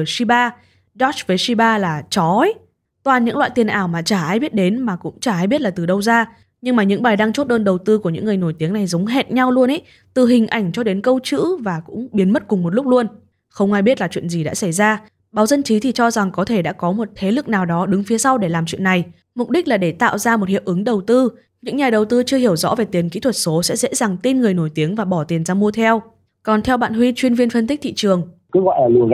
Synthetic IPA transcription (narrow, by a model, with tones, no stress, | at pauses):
si˧ɓaː˧ | ɗɔ˦˥t͡ɕvəː˨˦jsi˧ɓaː˧laː˨˩t͡ɕɔ˨˦ | t̪waː˨˩nɲɨ̰˧˥ŋlwa̰ː˧˨t̪i˨˩ənʔaː˨˩wmaː˨˩t͡ɕaː˧˩ʔaː˧jɓi˦˥ət̚ɗe˨˦nmaː˨˩kʊ̰˧˥ŋ͡mt͡ɕaː˧˩ʔaː˧jɓi˦˥ət̚laː˨˩t̪ɨ˨˩ɗə˧wzaː˧ | ɲɨ˧ŋmaː˨˩ɲɨ̰˧˥ŋɓaː˨˩jɗaː˧ŋt͡ɕo˦˥t̚ɗəː˧nɗə˨˩wt̪ɨ˧ku˧˩əɲɨ̰˧˥ŋːɨ˨˩əjno˧˩jt̪i˨˦əŋna˨˩jzə˨˦wŋ͡mɦe˧˩t̚ɲa˧wlu˧ənʔə̰˧˦j | t̪ɨ˨˩ɦï˨˩ŋ̟ʔa˧˩ŋ̟t͡ɕɔ˧ɗe˨˦nkə˧wt͡ɕɨ̰˧˥vaː˨˩kʊ̰˧˥ŋ͡mɓi˨˦ənmə˦˥t̚kʊ˨˩ŋ͡mmo˨˩t̚lʊ˦˥k͡p̚lu˧ən | xə˧wŋ͡mʔaː˧jɓi˦˥ət̚laː˨˩t͡ɕwḭ˧˨ənzi˨˩ɗa̰ː˧˥sa˧˩jzaː˧ | ɓaː˨˦wzə˧nt͡ɕi˨˦t̪ʰi˨˩t͡ɕɔ˧za˨˩ŋkɔ˨˦t̪ʰe˧˩ɗa̰ː˧˥kɔ˨˦mo˨˩t̚t̪ʰe˨˦lɨ˨˩k̚naː˨˩wɗɔ˨˦ɗɨ˨˦ŋfi˨˦əsa˧wɗe˧˩laː˨˩mt͡ɕwḭ˧˨nːa˨˩j | mʊ˨˩k͡p̚ɗi˦˥k̟̚laː˨˩ɗe˧˩t̪a̰ː˧˨wzaː˧mo˨˩t̚hi˧˨əw̚ʔɨ˨˦ŋɗə˨˩wt̪ɨ˧ | ɲɨ̰˧˥ŋɲaː˨˩ɗə˨˩wt̪ɨ˧t͡ɕɨ˧əhi˧˩əwzɔ̰˧˥ve˨˩t̪i˨˩nkḭ˧˥t̪ʰwə˨˩t̚so˨˦sɛ̰˧˥zḛ˧˥za˨˩ŋt̪i˧nŋɨ˨˩əjno˧˩jt̪i˨˦əŋvaː˨˩ɓɔ˧˩t̪i˨˩ənzaː˧mu˧ət̪ʰɛ˧w | kɔ˨˩nt̪ʰɛ˧wɓa̰ː˧˨nɦwi˧t͡ɕwi˧ənvi˧ənfə˧nt̪i˦˥k̟̚t̪ʰḭ˧˨t͡ɕɨ˨˩əŋkɨ˨˦ɣwɔ̰ː˧˨laː˨˩lu˨˩